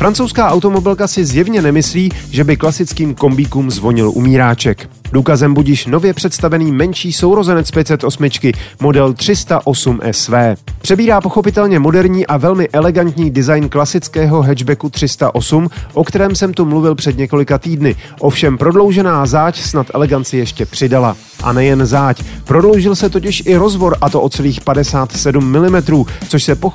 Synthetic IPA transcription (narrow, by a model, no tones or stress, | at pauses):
fɾant͡sowskaːʔawt̪o̞mo̞bɪlkasɪzjɛvɲɛnɛmɪsliːʒɛbɪklasɪt͡skiːmko̞mbiːkuːmzvo̞ɲɪlʔṵmiːɾaːt͡ʃɛk | duːkazɛmbucjɪʃno̞vjɛpr̝̥ɛt̪st̪avɛniːmɛnʃiːso̞wɾo̞zɛnɛtt͡spjɛt̪sɛt̪ʔo̞smɪt͡ʃkɪmo̞dɛlt̪r̝̥ɪst̪aʔo̞sumʔɛ̰svɛːpr̥ɛbiːɾaːpo̞xo̞pɪt̪ɛlɲɛmo̞dɛɾɲiːʔavɛlmɪʔɛlɛɡant̪ɲiːdɪzajnklasɪt͡skɛːɦo̞ɦɛʒbɛkut̪r̥ɪst̪a̰ʔo̞sumʔo̞kt̪ɛɾɛːmsɛmt̪umluvɪlpr̥ɛdɲɛko̞lɪkat̪iːdnɪ | ʔo̞fʃɛmpɾo̞dlo̞wʒɛnaːzaːcsnat̪ʔɛ̰lɛɡant͡sɪjɛʃcɛpr̥ɪdala | ʔa̰nɛjɛnzaːcpɾo̞dlo̞wʒɪlsɛt̪o̞cɪʃʔɪɾo̞zvo̞ɾʔat̪o̞ʔot͡sɛliːxpadɛsaːt̪sɛdumːɪlɪmɛt̪ɾuːt͡soʃsɛpo